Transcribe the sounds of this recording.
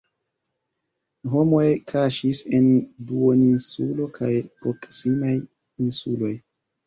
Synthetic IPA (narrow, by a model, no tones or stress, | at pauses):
ɦo̞mo̞jkʰaʃise̞nduoninsulo̞kʰajpɾo̞ksimaj | insulo̞j